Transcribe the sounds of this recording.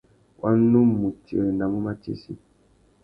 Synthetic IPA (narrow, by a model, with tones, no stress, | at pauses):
wʔa˦nː˦u˦mːu˨ti˨ə˨nda˨mu˦ma˦tḛ˨sḭ˦